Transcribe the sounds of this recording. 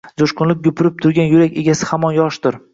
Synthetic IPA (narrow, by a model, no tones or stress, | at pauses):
d͡ʒ̪oʃqʊnlɪk̚ʲɡʊpʰɪɾɪp̚t̪ʰʊɾɡʲanjʊɾakʲe̞ɡʲasɪ̥hamɒnjɒʃt̪ʊɾ